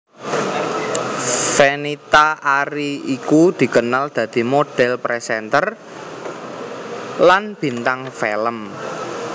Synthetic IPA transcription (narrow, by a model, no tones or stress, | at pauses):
fenit̪aaɾiikud̪̥i̤kənald̪̥ä̤d̪̥i̤moɖ̥ɛlpɾesɛnt̪ər | lanb̥i̤nt̪aŋfɛləm